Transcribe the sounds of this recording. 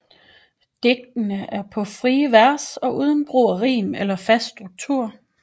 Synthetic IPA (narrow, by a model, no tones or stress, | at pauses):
d̥e̝ɡ̥̚d̥ənəʔæɐpʰɒ̽fʁiːəʋæɐ̰sɒ̽ʔuð̞ˠn̩b̥ʁo̰ːɐʁḭːmelɐfæsd̥ʁuɡ̥̚t͡sʰuɐ̰